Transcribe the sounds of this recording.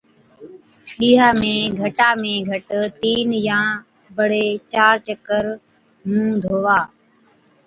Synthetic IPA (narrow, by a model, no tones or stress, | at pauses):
ɗiːɦaːmẽːɡʱəʈaːmẽːɡʱəʈt̪iːnjãː | bəɽ̤eːt͡ʃaːɾt͡ʃəkəɾ | ɦũːd̪ʱoːʋaː